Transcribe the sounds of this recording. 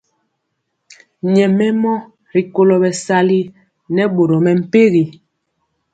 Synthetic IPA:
ɲɛ˨mɛ˦mɔ˦ | ɾi˨ko˨lɔ˨bɛ˨sa˦li˦ | nɛ˦ɓo˨ɾɔ˨mɛ˨m̩˨pe˦ɣi˨

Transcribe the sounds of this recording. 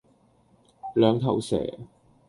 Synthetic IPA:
lœː˨˧ŋt̪ʰɐ˨˩wsɛ̰ː˨˩

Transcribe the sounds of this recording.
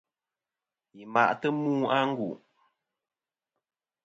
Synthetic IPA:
ji˨ma̰˨ʔtə˦muː˦a˦ŋ̩˦ɡu˨ʔ

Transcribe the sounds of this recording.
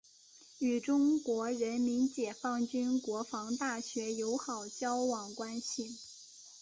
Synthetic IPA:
y˨˩ʈ͡ʂʊ˥ŋkwɔ˧˥ɻə˧˥nmi˧˥nt͡ɕjɛ˨˩fɑ˥˩ŋt͡ɕy˥nkwɔ˧˥fɑ˧˥ŋt̪a˥˩ɕɥɛ˧˥jo˧˥ʊxɑ˨˩ʊt͡ɕjɑ˥ʊwɑ˨˩ŋkwa˥nɕi˨˩

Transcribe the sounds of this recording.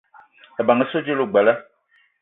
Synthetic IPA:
ɛ˨ba˨ŋə˦so˦d͡ʒe˦lo˦˨ɡ͡bɛ˨lə˦

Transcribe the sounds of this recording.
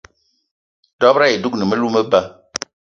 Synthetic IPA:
dɔ˦bɾa˦je˨du˦knə˨mə˦lu˦mə˦ba˦

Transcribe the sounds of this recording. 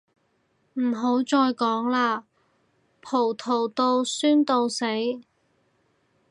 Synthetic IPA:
m̩˨˩ɦo˨˥wt͡ʃɔː˧jkɔː˨˥ŋlaː˧ | pʰo˨˩wt̪ʰo˨˩wt̪o˧wsyː˥nt̪o˧wse˨˥j

